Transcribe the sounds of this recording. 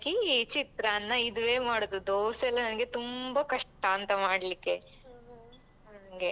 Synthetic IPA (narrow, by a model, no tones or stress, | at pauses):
kiːt͡ʃit̪ɾaːnːɐid̪uʋe̞ːmaːɽod̪ud̪oːsɛlːɐnɐnɐɡe̞t̪umbɐkɐʂʈːaːɐnt̪ɐmaːɽlikːe̞ | ɐɐɡe